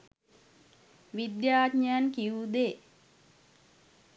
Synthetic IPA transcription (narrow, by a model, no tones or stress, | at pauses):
ʋid̪jaːdɲəjankiud̪e